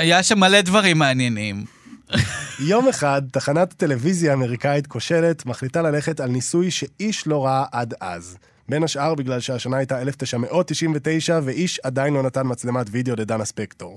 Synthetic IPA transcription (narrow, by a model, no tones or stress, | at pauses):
ajaʃamːale̞dvaʁimːeanjenim | jo̞meχad̚taχanatte̞le̞vizjaːme̞ʁikaitkʰo̞ʃe̞le̞tmaχlitalale̞χe̞talnisujʃe̞ʔiʃlo̞ʁaaʔada̰z | be̞naʃʔaʁbiɡlalʃeaʃanaajtae̞left̪e̞jʃame̞ʔo̞t̪ːiʃimve̞te̞jʃaveʔiʃadainlo̞natanmat͡slematvideo̞le̞danaspekto̞ʁ